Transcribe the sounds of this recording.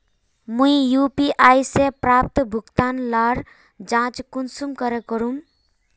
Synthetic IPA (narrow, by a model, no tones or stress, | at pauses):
mũijupiʔajsepɾap̚t̪bʱuɡt̪anlaɾ | d͡ʒãt͡ʃkunsumkəɾekəɾum